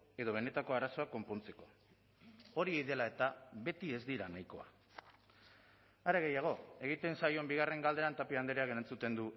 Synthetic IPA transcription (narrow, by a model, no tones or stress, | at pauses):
e̞ðo̞βe̞ne̞t̪ako̞aɾaso̞ako̞mpo̞nt͡se̞ko̞̥ | o̞ɾiejðe̞lae̞t̪aβe̞t̪ie̞zd̪iɾanajko̞a | aɾe̞ɣe̞jaɣ̞o̞e̞ɣ̞it̪e̞nsajo̞mbiɣ̞are̞ŋɡald̪e̞ant̪apiand̪eɾeake̞ɾant͡sut̪e̞nd̪u